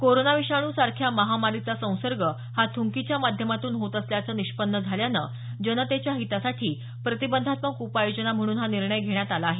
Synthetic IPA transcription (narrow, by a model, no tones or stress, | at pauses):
koɾonaʋiʂaɽ̃uːsaɾkʰjaməɦamaɾit͡sasə̃w̃səɾɡə | hat̪ʰuŋkit͡ɕjamad̪ʱjəmat̪uːnɦot̪əsljat͡səniʂpənːəd͡zʱaljanə | d͡ʑənət̪et͡ɕjaɦit̪asaʈʰiː | pɾət̪ibənd̪ʱat̪məkupajod͡ʑənam̤əɽ̃uːnɦaniɾɳəjɡʱeɽ̃jat̪alaːɦe